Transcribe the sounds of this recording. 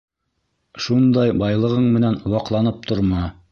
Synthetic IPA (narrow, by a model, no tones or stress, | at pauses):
ʃund̪ɑjbɑjlˠɤ̆ʁɤɴmɘ̆nænwɑqlˠɑnɤp̚t̪ʰŏɾmɑ